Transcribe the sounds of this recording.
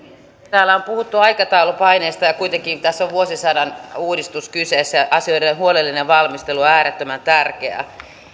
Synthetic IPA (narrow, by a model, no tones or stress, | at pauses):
t̪æːlːæompuhut̪ːuɑikɑt̪ɑulupɑineːst̪ɑjɑkuit̪eŋkit̪æsːoʋʋuosisædænuːdist̪uskyseːsːjæɑsioiɾenhuolelːineʋɑlmist̪eluoæːɾet̪ːømænt̪ærkeæ̰